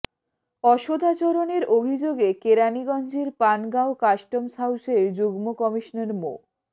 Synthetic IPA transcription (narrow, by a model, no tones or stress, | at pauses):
ɔʃod̪ʱat͡ɕoɾoneɾʔobʱid͡ʑoɡekeɾaniɡɔnd͡ʑiɾpanɡaokaʃʈomsawseɾd͡ʑoɡmokɔmiʃnaɾmo